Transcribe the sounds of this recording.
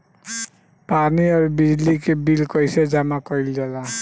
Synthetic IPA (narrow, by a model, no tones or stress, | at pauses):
paniɔɾbid͡ʒlikebilkɔɪsed͡ʒamakɔjld͡ʒala